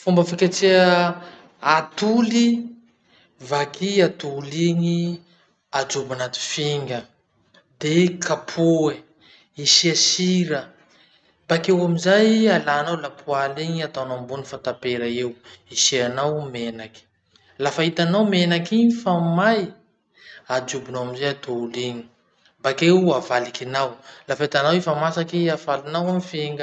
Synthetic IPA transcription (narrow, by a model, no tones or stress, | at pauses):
fumbəfikʲat͡se | at̪uli | vakiat̪uliɲi | ad͡zubanat̪i̥fiŋɡə | d̪ekʰapʰoe | isiasiɾə | b̥akewamizajalanawlapʰualeŋat̪anambunifant̪apeɾəewisianawmenaki̥ | lafaɦit̪anawmenakiifamaj | ad͡ʒubinawamizajat̪ʰouleɲi̥ | mbakewavalikinawlafait̪anawifamasakiafalinawamfeŋɡə